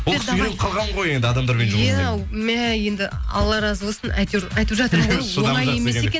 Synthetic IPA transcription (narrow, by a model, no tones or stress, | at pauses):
wolsyɾemqʰɑlˠʁɑɴʁo̞je̞nd̪ɪɑd̪ɑmd̪ɑɾmenʒuæmæje̞nd̪ɪɑ̰lˠːɑɾɑzwo̞sənɑjt̪ɑjt̪əpʒɑt̪əʁɾjooʁˠɑjemesekʲen